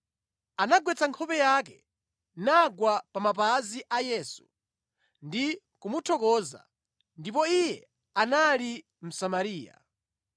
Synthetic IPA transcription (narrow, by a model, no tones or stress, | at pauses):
anaɡwɛt͡saŋkʰɔpɛjak̬ɛ | naɡwapamap̬aziʔajɛːsu̥ | ndi | kumutʰɔkɔːza̰ | ndipɔijɛ | anali | m̩samaɾiːja̰